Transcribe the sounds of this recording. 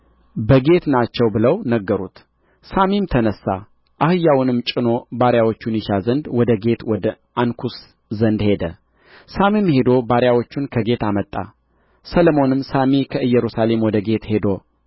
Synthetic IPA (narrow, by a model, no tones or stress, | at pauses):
bəɡe̞t̪nat͡ʃːɛwbɨləwnəɡːəɾut̪ | samimt̪ʰənəsːa̰ | ʔahɨjːawnɨmt͡ʃʼɪno̞baɾjawo̞t͡ʃːunjɪʃazənd̪wɔd̪əɡe̞t̪wɔd̪ə | ankʰus | zənd̪he̞d̪ə̰ | samimhe̞d̪o̞baɾjawo̞t͡ʃːunkʰəɡe̞t̪amət̪ʼːa̰ | sələmo̞nɨmsamekʰəʔɨjːɛɾusale̞mwɔd̪əɡe̞t̪he̞d̪o̞